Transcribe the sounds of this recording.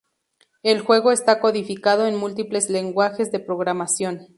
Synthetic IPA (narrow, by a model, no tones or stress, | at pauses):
elxwe̞ɣo̞e̞st̪ako̞ðifikað̞o̞enmult̪iple̞zle̞ŋɡwaxe̞zðe̞pɾo̞ɣɾamasjo̞n